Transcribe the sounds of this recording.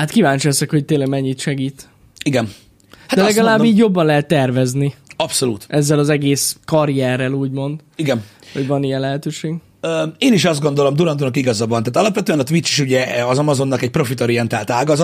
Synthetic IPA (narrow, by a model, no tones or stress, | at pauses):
hat̪kivaːɲt͡ʃiɛsɛkho̞c̚t̪eːnlɛɡmɛɲːit̪ʃɛɡiːt̪ | iɡɛn | dḁɛlɛɡɒlaːbːiːɟjo̞bːɒnlɛɦɛt̪ːɛrvɛzniɒpso̞luːt̪ʔɛzːɛlɒzɛɡeːskɒɾijɛrːɛluːɟmo̞nd̪ | iɡɛnho̞ɟvɒnijɛnlɛɦɛt̪øːʃeːɡ | øeːniʃɒzd̪ɡo̞nd̪o̞lomd̪uɾɒnd̪unɒkiɡɒzɒbɒnt̪aːt̪ɒlɒpʋɛt̪øːɛnɒt̪ʋit͡ʃːi̥ʃuɟɛɒzɒmɒzo̞nːɒkɛc̚pɾo̞fit̪oɾijɛnt̪aːlt̪aːɡɒzɒt̪